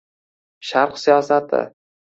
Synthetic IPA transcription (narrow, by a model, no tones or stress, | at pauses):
ʃaɾqsijɒsat̪ʰɪ̰